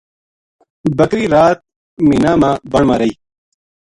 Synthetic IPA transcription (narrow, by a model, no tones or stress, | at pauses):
bɐkɾiːɾaːt̪̚ | minaːmaːbɐɳmaɾɐi